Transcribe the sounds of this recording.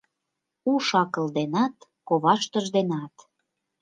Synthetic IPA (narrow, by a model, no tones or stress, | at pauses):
uʃɑkə̆ld̪enɑt̪ | koβɑʃt̪əʒd̪enɑt̪